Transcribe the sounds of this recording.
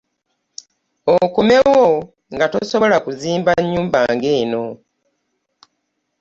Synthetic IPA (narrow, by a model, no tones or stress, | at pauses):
okume̞wo | ŋɡato̞so̞βo̞lakuziːmbaɲːuːmbaŋɡeːno̞